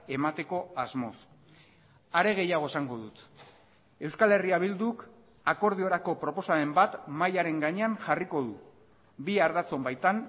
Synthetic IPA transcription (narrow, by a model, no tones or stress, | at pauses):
e̞mat̪e̞ko̞azmo̞s | aɾe̞ɣ̞e̞jaɣ̞o̞esaŋɡo̞ðut̪ | e̞wskale̞riaβild̪uk | ako̞ɾð̞io̞ɾako̞pɾo̞po̞sae̞mbat̪majaɾe̞ŋɡaɲe̞anʝariko̞ðu | biaɾðat͡so̞mbajt̪an